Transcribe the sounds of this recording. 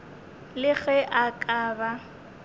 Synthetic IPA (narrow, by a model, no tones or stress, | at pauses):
lɪɣɛʔakʼaːba